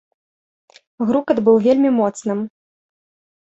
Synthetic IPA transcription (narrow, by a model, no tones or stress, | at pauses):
ɣɾukɐd̪bɨwvʲelʲmʲimɔt̪snɨm